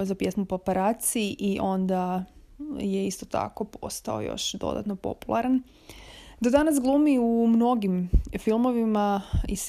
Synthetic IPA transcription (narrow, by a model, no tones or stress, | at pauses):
zapje̞smupopaɾaːt̪siʔiʔo̞nd̪a | jeist̪ot̪a̰ko̞po̞̰st̪aojo̞̰ʃd̪o̞̰d̪a̰t̪no̞po̞̰pulˠaɾan | d̪od̪anasɡlˠumiumno̞ɡimfilˠmo̞ʋimais